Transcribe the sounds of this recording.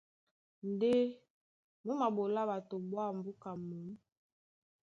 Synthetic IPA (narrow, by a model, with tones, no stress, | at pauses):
n˦˨de˦ | mu˦ma˨bo˨la˦ba˨to˨bwa˦m˨bu˦ka˨mu˨˦